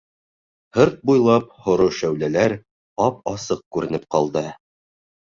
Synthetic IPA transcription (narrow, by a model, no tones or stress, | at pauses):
hɤɾt̪̚bujlˠɑphŏɾoʃæwlælæɾ | ɑp̚ɑsɤq̚kʉɾɘ̆nɘp̚qɑlˠd̪ɤ